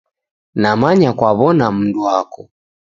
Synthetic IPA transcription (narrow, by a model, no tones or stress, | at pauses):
namaɲakwaβɔnam̩duakɔ